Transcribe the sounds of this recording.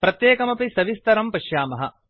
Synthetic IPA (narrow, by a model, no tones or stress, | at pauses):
pɾɐt̪jeːkɐmɐpisɐʋist̪ɐɾɐmpɐʃjaːmɐɦɐ̰